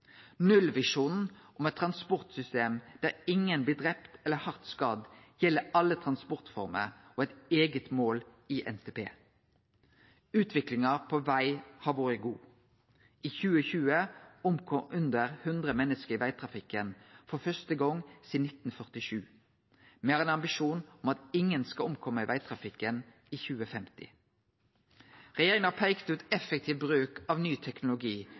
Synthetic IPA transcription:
nʉlʋɪʂuːnn̩ʔɔmɛt̪t̪ʰɾɑnspɔʁt̪sʏst̪eːmd̪̥æːʁɪŋənblɪːd̪ʁɛpt̪ɛlːəhɑʁt̪skɑːd̪jɛlːəɑlːət̪ʰʁɑnspɔʁt̪fɔ̰ʁmə̰ʁoːɛt̪eːɡət̪moːliːʔɛ̰nt̪ʰeːpʰḛː | ʉːt̪ʰʋɪklɪŋɑpʰoʋæɪhɑːʋoːɾəɡuː | ʔiːçʉːəçʉːəʊmkʰɔʔʉnd̪əʁhʉnd̪ʁəmɛnːəskəʁɪʋæɪt̪ʰʁɑfɪkənfɔfœst̪əɡɔŋsiːd̪nɪt̪n̩fœʁt̪ɪʃʉː | mɛeæʁɛːnɑmbɪʃuːnʊmɑt̪ɪŋːənskɑʊmkʰɔmːəɪʋʔæɪt̪ʰʁɑfɪkːən | iːçʉːəfɛmt̪ɪ̰ | ʁɛjeːʁɪŋəɑpʰæɪkt̪əʉːt̪ɛfək̚t̪ʰiːʋbʁʉːkɑʋnyːt̪ʰɛknʊlʊɡiː

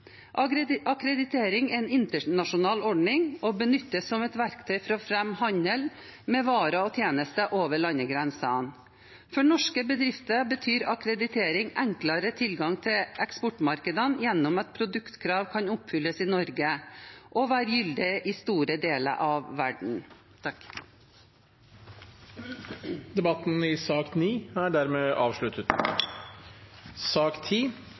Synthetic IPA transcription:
ʔɑɑkɾɛd̪ɪt̪ʰeːɾɪŋɛɛnɪnt̪əɳɑʂʊnɑːlɔɖɳɪŋɔbənʏt̪ːəsːɔmɛt̪ʋæɾkt̪ʰœʏfɾɔfɾɛmhɑɲəlmɛʋɑːɾəɔt̪ʰjeːnəst̪əʔoːʋəɭɑnːəɡɾɛnsɑɑn | fɔɳɔʂkəbəd̪ɾɪft̪əbət̪ʰyːɾɑkɾɛd̪ɪt̪ʰeːɾɪŋɛŋkləɾət̪ʰɪlɡɑŋt̪ʰɪlʔɛkspɔʈmɑɾkəd̪ənjɛnːɔmɑt̪̚pʰɾʊd̪ʉkt̪kʰɾɑːʋkʰɑɲʊpfʏlːəsiːnɔɾɡəʔɔʋæːɾjʏld̪ɪʔɪːst̪uːɾəd̪eːlə̰ʔɑʋːæɖɳ̩ | t̪ʰɑk | d̪ɛbɑt̪n̩ɪsɑːkniːæɖæɾmeːʔɑːʋʂɭʉt̪ət̪ | sɑːkt̪ʰiː

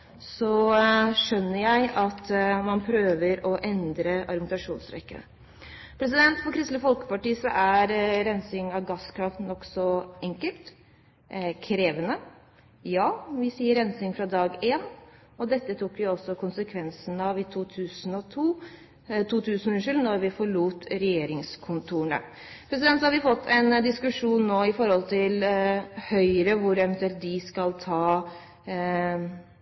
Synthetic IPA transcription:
sɔʂœnːəjæɪʔɑt̪mɑnpʰɾøːʋəɾɔʔɛnd̪ɾəɑɾmɪt̪ɑʂuːnsɾɛ̰kːə̰ | pʰɾɛs̬ɪd̪ɛnt̪fɔɾkʰɾɪst̪ləfɔlkə̥pɑʈiːsɔʔæɾɾɛnsɪŋɑʋɡɑskʰɾɑft̪nɔksɔɛŋkəlt̪ | kʰɾeːʋənə | jɑːʋɪsiːəɾɛnsɪŋfɾɑd̪ɑːɡeːn | ɔd̪ɛt̪ːət̪ʰuːkːʋɪɔsːɔkʊnsəkʰʋɛnsənɑʋɪt̪ʰuːt̪ʰʉːsn̩ɔt̪ʰuː | t̪ʰuːt̪ʰʉːsn̩ɔʉnəʂʉlnɔɾʋɪfɔɭuːt̪ɾɛjeːɾɪŋskʰʊnt̪ʰuːɳə̰ | pʰɾɛsɪd̪ɛnt̪sɔhɑɾʋɪfɔt̪ːɛnd̪ɪskʉʂuːnːoːɪfɔɾhɔlt̪ʰɪlhœʏɾəʋʊɾɛʋɛnt̪ʉɛlt̪̚d̪ɪskɑlt̪ʰɑː

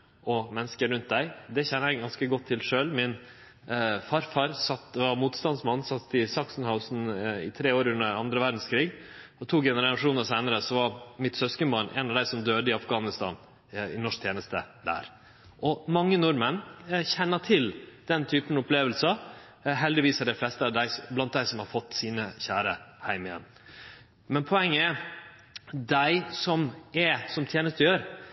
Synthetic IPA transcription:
ʔɔmɛnːəskəɾʉnt̪̚d̪æɪd̪ɛçɛnːəæɪɡɑnskəɡɔt̪ʰːɪlʂøːlmɪn | fɑɾfɑɾsɑt̪ʋɑmuːt̪st̪ɑnd̪smɑnːsɑt̪ːɪsɑksn̩haʊsn̩ɪ̰t̪ʰɾeːoːɾʉnːəɾɑnd̪ɾəʋæɾɖ̪n̩skʰɾiːɡɔt̪ʰuːɡɛnəɾɑɾɑʂuːnəɾsæɪnəɾəsɔʋɑɾmɪt̪sœskəmɑnʔɛ̰nɑʋd̪æɪsɔmd̪øːd̪əɪɑfɡɑːnɪst̪ɑ̰ːn | ɪ̰nɔʂk̚t̪ʰjeːnəst̪ə̰d̪æ̰ːɾ | ʔɔmɑŋːənʊɾmənçɛnːəʈʰɪld̪̥ɛnt̪ʰyːpənɔpleːʋəlsɑ | ɦɛld̪ɪʋiːsəɖɛɪflɛst̪əɑɖ̪æɪblɑnt̪̚d̪æɪsɔmhɑɾfɔt̪ːsiːnəçæːɾəhæɪmɪjɛ̰n | mɛnpʰɔɛŋːəɛ | d̪æɪsɔmɛsɔmt̪ʰjeːnəst̪ɔjøːɾ

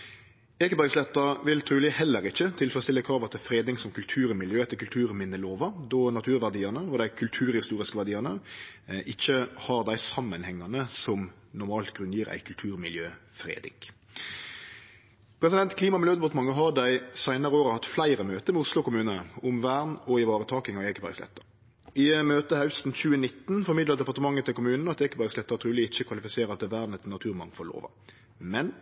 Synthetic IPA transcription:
eːkəbæɾɡslɛt̪ːɑɾʋɪlt̪ʰɾʉːlɪhɛlːəɾɪçːət̪ʰɪlfɾɔst̪ɪlːəkʰɾɑːʋɑt̪ʰəfɾeːd̪ɪŋsɔmkʰʉlt̪ʰʉːɾmɪljøːɛt̪ːəkʉlt̪ʰʉːɾmɪnːəloːʋɑd̪ɔnɑt̪ʰʉːɾʋæʁd̪iːənəɔd̪æɪkʰʉlt̪ʰʉːɾhɪst̪uːʁɪskəʋæʁɖ̪iːɑnəʔɪçːəhɑɾd̪æɪsɑmːənhɛŋːɑnəsɔm | nʊɾmɑːlt̪ɡʁʉnjiːɾæ̰ɪkʰʉlt̪ʰʉːɾmɪljøːfɾḛːd̪ɪ̰ɡ | pʰɾɛsɪd̪ɛnt̪kʰliːmɑmɪljøːd̪ɛpot̪mɑŋːəɦɑd̪æɪsæɪnəɾəoːɾəhɑt̪ːflæɪɾəmøːt̪əmɛʊslʊkʊmʉːnənəʊmʋæːʁnɔɪʋɑːɾət̪ʰɑːkɪŋɑɛkəbæ̰ɾɡslɛ̰t̪ːəɾ | ɪmøːt̪əhɑʉst̪n̩çʉːənɪt̪ːnfɔɾmɪd̪lɑd̪ɛpɑt̪əmɑŋːət̪ʰːɪlkʊmʉːnn̩ɑt̪ːɛkːəbæɾslɛt̪ːəɾt̪ʰɾʉːlɪɪçːəkʰʋɑlɪfɪseːɾɑt̪̚ɛʋæːɾd̪nɛt̪nɑt̪ʰʉːɾmɑŋfɔlo̰ːʋɑ̰ | mɛn

